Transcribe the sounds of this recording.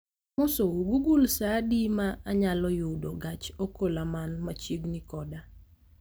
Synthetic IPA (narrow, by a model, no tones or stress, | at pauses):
mosouɡuɡulsadimaːɲalɔjʊdoɡat͡ʃokolamanmat͡ʃiɡnikɔda